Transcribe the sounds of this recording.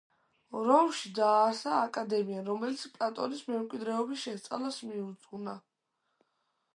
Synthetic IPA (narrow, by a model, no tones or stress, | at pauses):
ɾɔmʃid̪aːɾsaːkʼad̪ɛmiaɾɔmɛlit̪sʰpʼlat̪ʼɔ̰nismɛmkʼwid̪ɾɛɔbisʃɛst̪sʼa̰lasmiut̪sʼɡuna